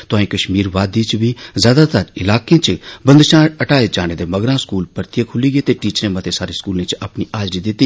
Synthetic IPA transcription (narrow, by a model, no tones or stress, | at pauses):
t̪ʊaːĩːkəʃmiːɾʋaːd̪iːt͡ʃbizjaːd̪aːt̪əɾɪlaːkẽːt͡ʃbə̃nd̪ʃãːəʈaːed͡ʒaːneːd̪eːməɡɾãːskuːlpəɾt̪ijeːkʰʊliːɡeːt̪eːʈiːt͡ʃɾẽːmət̪ʰeːsaːɾeːskuːlẽːt͡ʃəpniːʔaːd͡ʒɖid̪ɪt̪ːiː